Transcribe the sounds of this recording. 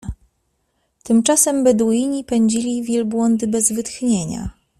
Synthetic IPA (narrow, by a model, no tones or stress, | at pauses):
t̪ɘmt͡ʂasɛmbɛd̪ujiɲipɛɲd͡ʑilʲivʲjɛlbwɔnd̪ɘbɛzvɘt̪xɲeɲa̰